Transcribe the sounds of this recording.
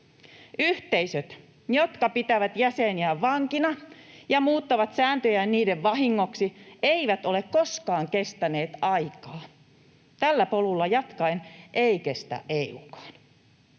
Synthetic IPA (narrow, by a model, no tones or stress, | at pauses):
yht̪eisøt̪ | jot̪kɑpit̪æʋæt̪jæseniæʋʋɑŋkinɑjɑmuːt̪ːɑʋɑt̪sæːnt̪øjænniːdeʋʋɑɦiŋːoksieiʋæt̪ole̞kkoskɑːŋkest̪æneːt̪ɑjkɑː | t̪ælːæpolulːɑjɑt̪kɑenʔeikest̪æ̰ʔeiukɑ̥ːn